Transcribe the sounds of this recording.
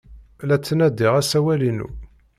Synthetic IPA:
læt͡sːnæd̪iʁæsæwælinṵ

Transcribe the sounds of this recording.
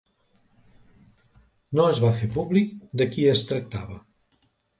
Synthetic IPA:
noəzβafepuβlik̚d̪əkiəst̪ɾək̚t̪aβə

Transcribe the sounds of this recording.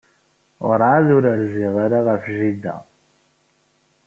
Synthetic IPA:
ʁəɾˤaðuɾəɾziʁaɾaʁəfʒid̪æ̰

